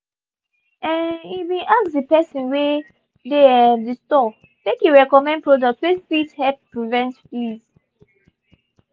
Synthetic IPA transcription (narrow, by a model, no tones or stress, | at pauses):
ɛ̃niwĩʔakdəpɛsĩnwe | deɛdistɔ | mẽkjuɹɛkɔmɛ̃nd̚pɹɔdɔk̚tswɛfithɛp̚pɹivɛ̃ntfiz